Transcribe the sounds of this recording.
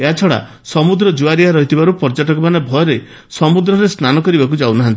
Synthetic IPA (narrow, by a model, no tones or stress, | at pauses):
eɦat͡ʃʰɔɽa̰ | sɔmud̪ɾɔd͡ʒuaɾiaɾɔɦit̪ʰibaɾupɔɾd͡ʒaʈɔkɔmanebʱɔjɔɾe | sɔmud̪ɾɔɾesnanɔkɔɾibakud͡ʒawnaɦant̪ii